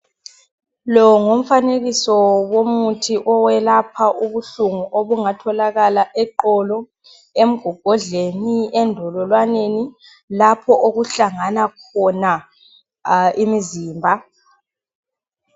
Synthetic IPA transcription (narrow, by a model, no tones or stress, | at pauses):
lɔŋom̩faneɣisɔwomutʰiʔɔwɛlapʰaʔuβuɬuŋuʔoβuŋatʰɔlaɣalaʔɛǃɔlɔ | em̩ɡ̥ʱɔɡ̥ʱɔɮeniɛndʱɔlɔlwaneni | lapʰɔʔoɣuɬaŋanakʰɔna | imiziːmbʱa